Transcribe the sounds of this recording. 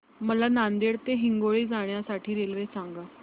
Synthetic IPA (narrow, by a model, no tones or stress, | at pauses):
məlanand̪eɽt̪eɦiŋɡoɭiːd͡zaɳ̃jasaʈʰiːɾelʋesaŋɡa